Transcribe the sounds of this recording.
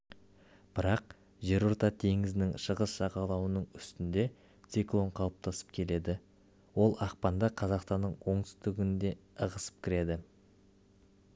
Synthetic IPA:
b̥ɪɾɑq | ʒe̞ɾʊɾt̪ɑt̪ʰe̞ŋɪzɪnɪŋʃəʁəsʒɑʁɑlˠɑwənəɴʏst̪ɪnd̪e̞ | t̪siklˠo̞ɴqʰɑlˠəp̚t̪ʰɑsə̥p̚kʲʰe̞le̞d̪ɪ | wo̞lˠɑq̚pɑnd̪ɑqʰɑzɑqst̪ɑnːəɴwo̞ɴt̪ʏ̥zd̪ɪɡʲɪnd̪e̞əʁəsə̥p̚kʲʰɪɾe̞d̪ɪ

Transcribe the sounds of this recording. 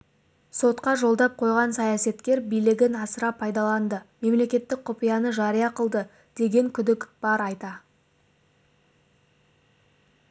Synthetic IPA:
so̞t̪qɑʒo̞lˠd̪ɑp̚qʰo̞jʁɑnsɑjɑse̞t̪kʲe̞ɾbijlɪɡʲɪnɑsəɾɑpʰːɑjd̪ɑlˠɑnd̪əme̞mle̞kʲe̞t̪ːɪk̚qʰʊpijɑnəʒɑɾijɑqəlˠd̪ə | d̪̥e̞ɡʲe̞ŋkʲʰʏd̪ɪkʲb̥ɑɾɑjt̪ɑ

